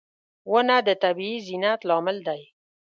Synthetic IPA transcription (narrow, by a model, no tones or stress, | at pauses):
wonad̪ət̪abiizinat̪lɑmɪld̪aj